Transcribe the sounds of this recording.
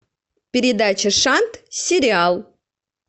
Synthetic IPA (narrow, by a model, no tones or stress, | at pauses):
pʲɪɾʲɪd̪at͡ɕəʂant̪sʲɪɾʲɪalˠ